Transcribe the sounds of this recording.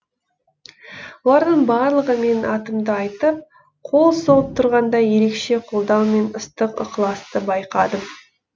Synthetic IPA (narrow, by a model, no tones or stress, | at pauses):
wolˠɑɾd̪əɴbɑɾlˠəʁəme̞nɑt̪əmd̪əɑjt̪əp̚ | qʰo̞lˠsolˠəp̚t̪ʰʊɾʁɑnd̪ɑje̞ɾe̞kʃe̞qʰolˠd̪ɑwme̞nʊst̪əqʊ̰qlˠɑst̪əbɑjqɑd̪əm